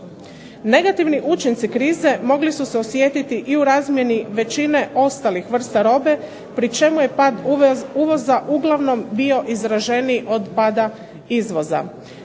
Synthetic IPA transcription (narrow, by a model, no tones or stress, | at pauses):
ne̞ɡat̪iʋniʔut͡ʃint̪sikɾiːze̞mo̞ɡlisuseo̞sje̞t̪it̪iʔiuɾaːzmje̞niʋe̞t͡ʃine̞ʔo̞st̪alixʋr̩st̪aɾo̞ːbe̞ | pɾit͡ʃe̞muje̞pad̪uʋo̞zaʔuɡlˠaʋno̞mbio̞ʔizɾaʒe̞niʔo̞d̪paːd̪a | izʋo̞za̰